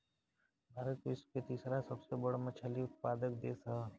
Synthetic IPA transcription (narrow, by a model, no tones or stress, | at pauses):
bʱaːɾət̪ʋɪsket̪iːsɾasɐbsebɐɽamɐt͡ʃʰəliʊt̪paːd̪ək̚d̪eːsa